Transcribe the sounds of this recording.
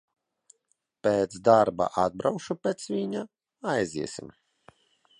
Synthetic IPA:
pʲeːt̪zsd̪aɾba̰ʔad̪̚bɾawʃupʲɛt̪svʲiɲa | ajziɛsʲḭm

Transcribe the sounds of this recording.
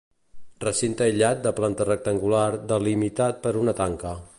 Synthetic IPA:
rəsint̪əiʎat̪̚d̪əplant̪ərək̚t̪əŋɡulaɾd̪əlimit̪at̪̚pəɾunət̪aŋkə

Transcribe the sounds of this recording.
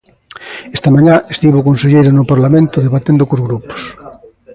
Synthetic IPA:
est̪amaɲaʔest̪iβokonseʎejɾanʊpaɾlamẽnt̪ʊðeβat̪end̪okozɣɾupo̥s

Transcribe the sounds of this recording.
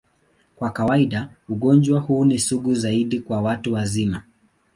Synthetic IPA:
kwakawaiɗauɠɔnd͡ʒwahuːnisuɠuzaiɗikwawatuwazima

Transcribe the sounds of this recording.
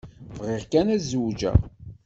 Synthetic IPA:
vʁɪʁkænæzud͡ʒæ̰

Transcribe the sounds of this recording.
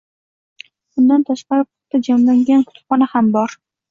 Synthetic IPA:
bʊnd̪ant̪ʰaʃqɑɾɪpʰɑ̥t̚t̪ːad͡ʒamlaŋɡʲankʰʊ̥t̪ʊ̥pχɒnahambɒɾ

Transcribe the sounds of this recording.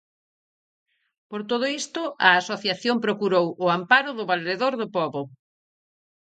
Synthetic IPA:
poɾt̪oð̞ʊist̪ʊɐasoθjaθjompɾokuɾowʊampaɾʊðʊβalɾeðoɾðʊpɔβʊ

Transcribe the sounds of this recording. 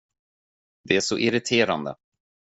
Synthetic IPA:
d̪ɛæʂɔʔɪɾɪt̪ʰeːɾa̰nd̪ə̰

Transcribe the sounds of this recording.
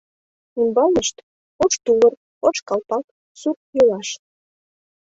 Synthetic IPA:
imbɑlˠnəʃt̪ | ot͡ʃt̪ulər | ot͡ʃkɑlpɑk̚ | suk̚jølɑʃ

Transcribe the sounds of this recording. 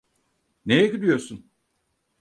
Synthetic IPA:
nejeɡyd̪yjo̞ɾsun

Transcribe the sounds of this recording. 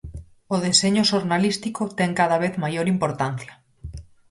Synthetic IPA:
oðeseɲʊʃoɾnalist̪ikot̪ɛŋkaðaβ̞eθmajoɾimpoɾt̪an̟θja

